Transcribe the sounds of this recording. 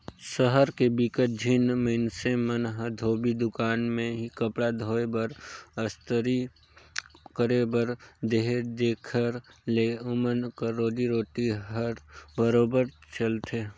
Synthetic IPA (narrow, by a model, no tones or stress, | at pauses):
səɦəɾkebikət̪̚d͡ʒʱinməɪnsemənɦd̪ʱoːbid̪ʊkaːnmẽɦikəpɽad̪ʱoːebəɾəst̪əɾi | kəɾebəɾd̪eɦed̪eːkʰəɾleʊmənkəɾoːd̪iɾoːʈiɦəɾbəɾoːbəɾt͡ʃəlt̪ʰe